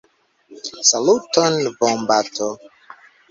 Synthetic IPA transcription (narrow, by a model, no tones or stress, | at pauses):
salutonbɔmbatʰo